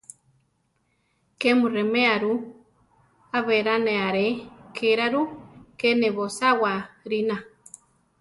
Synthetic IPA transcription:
kemuɾɛmeaɾu | aβeɾaneaɾekʰeɾaɾukeneβosawaɾina

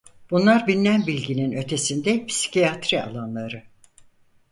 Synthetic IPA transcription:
b̥unlˠaɾbinːʲænbilʲɟininø̞t̪ʰe̞sind̪ɛpʰsi̥cijat̪ɾia̰lˠanlˠaɾɯ

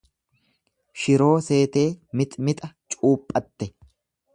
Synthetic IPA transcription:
ʃɪɾo̞ːse̞ːt̪e̞ːmɪt̪ʼmɪt̪ʼɐt͡ʃʼuːpʼːɐt̪ːɛ

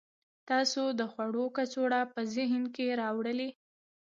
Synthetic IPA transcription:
t̪ɑsod̪əxwaɽokat͡soɽapəzɪɦnkeɾɑwɽəle

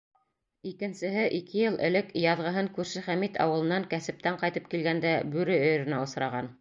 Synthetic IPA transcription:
ikɘ̆nsɘ̆ɦɘʔikʰɘjɤlˠʔɘ̰̆lɘkjɑðʁɤ̆ɦɤŋkʉɾʃɘχæmit̪ʰɑ̰wɤ̆lˠɤ̆nɑŋkæsɘ̆p̚t̪æɴqɑjt̪ɤp̚kilɡænd̪æbʉɾɘɵ̆j̆ɾɘ̆næŏsɾɑʁɑn

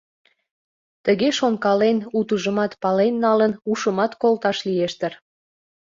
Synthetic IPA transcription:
t̪əɣeʃoŋkɑlenut̪uʒəmɑt̪pɑlenːɑlənuʃəmɑt̪kolt̪ɑʃlieʃt̪ər

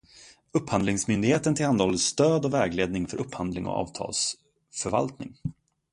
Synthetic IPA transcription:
ɵphand̪lɪŋsmʏnd̪ɪɡheːt̪ənt̪ʰɪlhand̪ahɔlːəʂt̪øːd̪ɔvɛːɾɡleːd̪nɪŋfœɾʔɵphand̪lɪŋɔ̰ɑ̰ːvt̪ʰɑ̰ːls | fœɾva̰lt̪nɪ̰ŋ

